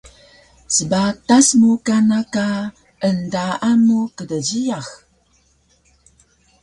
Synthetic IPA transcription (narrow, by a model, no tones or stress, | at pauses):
səbatasmukanaka | əndaːmukədəɟiax